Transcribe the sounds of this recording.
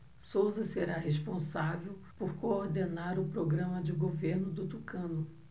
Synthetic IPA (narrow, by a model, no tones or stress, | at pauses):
sowzɐseɾaɦeʃpõsavewpoɾkoːɾd̪enaɾʊpɾoɡɾɐ̃mɐd͡ʒɪɡoveɾnʊd̪ʊt̪ukɐ̃nʊ